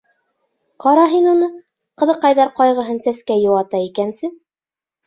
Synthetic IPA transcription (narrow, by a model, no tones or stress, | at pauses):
qɑɾɑɦinunɤ | qɤ̆ðɤ̆qːɑjðɑɾqɑjʁɤ̆ɦɤnsæskæjŏwɑt̪ɑikænsɘ